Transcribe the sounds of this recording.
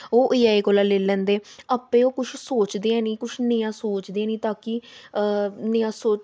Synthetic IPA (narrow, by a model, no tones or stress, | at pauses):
oːʔiːaːiːkoːlaːleːlɛ̃ːnd̪eːəpẽːoːkʊʃʰsoːt͡ʃd̪eːãːnĩːkʊʃʰnɪ̃ãːsoːt͡ʃd̪eaːnĩːt̪aːki | nɪãːsoː